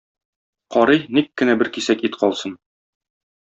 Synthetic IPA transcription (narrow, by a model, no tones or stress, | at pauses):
qɒɾɤjnikːɘ̆næbɘɾkisækit̪qɒlˠsɤn